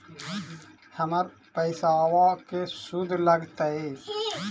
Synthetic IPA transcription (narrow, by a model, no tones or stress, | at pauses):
həməɾ | pəɪsawakesud̪ʱləɡt̪əe